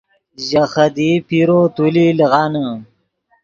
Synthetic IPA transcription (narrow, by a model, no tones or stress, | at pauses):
ʑaxɐd̪ipiɾot̪uliliɣɑːnə